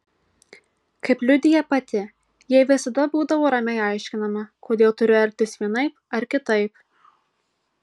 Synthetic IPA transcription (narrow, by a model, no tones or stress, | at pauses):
kɐɪplʲʊd̪ʲɪjɛpɐt̪ʲɪ | jɛʋʲɪsɐd̪ɐbuːd̪ɐʋoːɾɐmʲɛɪɑˑɪʃʲkʲɪnɐmɐkʰoːd̪ʲeːlˠt̪ʊɾʲʊɐɾʲt̪ʲɪsʋʲiɛnɐɪpɐɾkʲɪt̪ɐɪp̚